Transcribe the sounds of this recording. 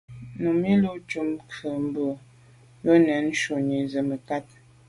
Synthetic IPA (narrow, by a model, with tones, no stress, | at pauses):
nu˨mi˦lu˦t͡ʃu˦mkʰə˨m̩˦bə˨ | bə˦nɛ˨˦n̩˦ʃo˨ɲi˨zə˨mə˨ka˦t